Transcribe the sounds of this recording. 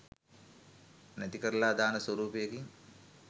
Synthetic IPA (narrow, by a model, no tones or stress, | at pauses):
nɐt̪ikɐɾlaːd̪aːnɐswɐɾuːpijɐkiŋ